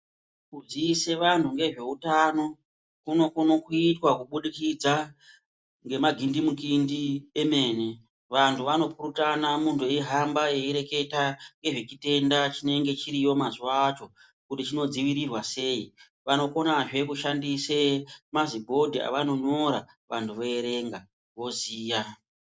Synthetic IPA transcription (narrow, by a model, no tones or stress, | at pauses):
kud͡ziise̞ʋantuŋɡe̞ʐe̞utano̞ | kuno̞kuno̞kuitwakuɓuɗikid͡za | ŋɡe̞maɡʱindimukindie̞me̞ːne̞ | ʋantʰuʋano̞puɾutanamuntʰueɦambaje̞iɾe̞ke̞taŋɡe̞ʐet͡ʃite̞ndat͡ʃine̞ŋɡe̞t͡ʃiɾijo̞mazuʋat͡ʃo̞ | kutit͡ʃino̞d͡ziʋiɾirwase̞i | ʋano̞ko̞naʐe̞kuʃandisemazibʱo̞dʱia̰ʋano̞ɲo̞ɾa | ʋantʰuʋo̞eɾe̞ŋɡa | ʋo̞ziːja